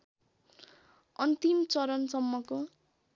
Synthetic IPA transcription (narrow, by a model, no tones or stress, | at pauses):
ʌnt̪imt͡sʌɾʌnsʌmːʌko